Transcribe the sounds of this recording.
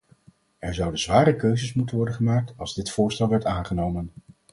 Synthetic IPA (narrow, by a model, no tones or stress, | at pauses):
ɛɹzʌwdəzʋaːɾəkøɥzəsmutənʋɔɹdənχəmaːk̚tɑlˠzdɪtfʊːɹstɛlˠʋɛɹtaːnχənowmən